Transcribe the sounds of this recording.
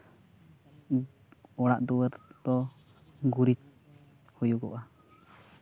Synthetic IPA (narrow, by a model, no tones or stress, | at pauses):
ɔɽaʔd̪uwəɾt̪ɔ | ɡuɾit͡ʃ | hujuɡɔʔa